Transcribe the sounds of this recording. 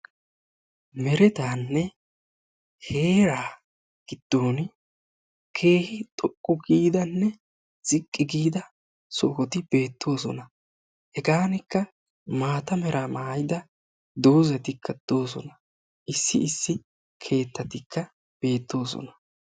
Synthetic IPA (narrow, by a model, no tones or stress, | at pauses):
mɛɾɛt̪aːnːɛ | heːɾaː | ɡ̥ɪd̪̥ːo̞ːn | kʰe̞ːhɪt̪ʼɔkʼːʊɡiːd̪ɐnːɛ | z̥ɪkʼːɪɡiːd̪ɐ | sɔɔt̪ɪb̥e̞ːt̪ʰːo̞ːsɔ̰nɐ | hɛɡaːnɪkːɐ | maːt̪ɐmɛɾʔaːmaːjd̪ɐ | d̪o̞ːzɐt̪ɪkʰːɐd̪̥o̞ːsɔ̰nɐ | ʔɪsːɪ̰ɪsːɪ | kʰe̞ːt̪ːɐt̪ɪkʰːɐ | b̥e̞ːt̪ːo̞ːsɔ̰nɐ